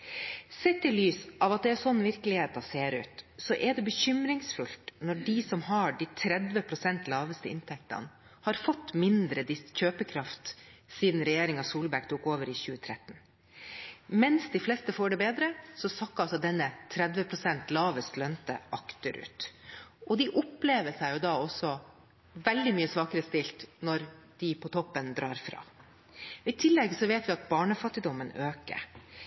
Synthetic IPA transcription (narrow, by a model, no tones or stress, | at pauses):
sɛt̪ːɪlyːsʔɑʋɑt̪̚d̪ɛæɾsɔnːʋɪɾkəlɪheːt̪ɑseːɾʉ̰ːt̪sɔʔɛɖɛbəçʏmɾɪŋsfʉlt̪nɔɖisɔmhɑɖit̪ʰɾɛd̪ʋəpʰɾʊsɛnt̪lɑːʋəst̪əɪ̰nt̪ʰɛk̚t̪ɑ̰n | hɑɾfɔt̪ːmɪnd̪ɾəd̪ɪsçøːpəkʰɾɑft̪siːd̪ən̩ɾɛjeːɾɪŋɑsuːlbæɾk̚t̪ʰuːkoːʋəɾɪçʉːət̪ʰɾɛt̪ːn̩ | mɛnsd̪ɪflɛst̪əfoːɖɛbeːd̪ɾəsɔsɑkːɑlsɔt̪d̪ɛnːət̪ʰɾɛd̪ʋəpʰɾʊsɛnt̪lɑːʋəst̪lœnt̪ə̰ʔɑkt̪əɾʔʉ̰ːt̪ɔd̪ɪʔʊpleːʋəʂɛɪjʊd̪ɑːɔsːɔ | ʋɛld̪ɪmyːəsʋɑːkəɾəst̪ɪlt̪nɔɾd̪̥ɪpʰɔt̪ʰɔpːənd̪ɾɑːɾfɾɑ̰ː | ɔɪt̪ʰɪlːɛɡsɔʋeːt̪ʋɪɑt̪̚bɑːɳəfɑt̪ːɪd̪ɔmːənøːkə̰ɾ